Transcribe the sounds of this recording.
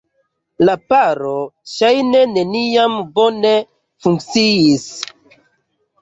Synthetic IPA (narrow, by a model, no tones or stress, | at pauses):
lapaɾo̞ʃajne̞ne̞niambo̞ne̞ | fuŋk̚t͡siis